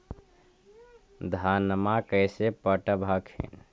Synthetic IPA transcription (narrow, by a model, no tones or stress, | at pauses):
d̪ʱanmakəɪsepəʈəbʱakʰḛn